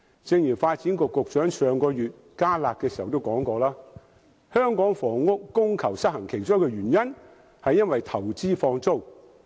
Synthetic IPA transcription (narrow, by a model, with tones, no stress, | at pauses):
t͡sɪ˧ŋjyː˨˩nfaː˧t̚t͡siː˨˥nkʊ˨˧kːʊ˨k̚t͡ʃœː˨˥ŋsœː˨˧ŋkɔː˧ɥyː˨t̚ | kaː˥laː˨˧t̚kːɛː˧si˨hɐ˨wt̪o˥wkɔː˨˥ŋkɔː˧laː˥ | hœː˥ŋkɔː˨˥ŋfɔː˨˩ŋːʊ˥k̚ːʊ˥ŋkʰɐ˨˩wsɐ˥t̚hɐ˨˩ŋkʰe˨jt͡sœː˥wkɛː˧ɥyː˨˩njɐ˥n | hɐ˨jːɐ˥nwɐ˨jt̪ʰɐ˨˩wt͡siː˥fɔː˧ŋt͡so˥w